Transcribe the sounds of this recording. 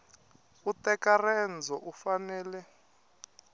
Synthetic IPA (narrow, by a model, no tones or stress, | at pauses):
utɛkarɛnd͡zʱɔʔufanɛːlɛ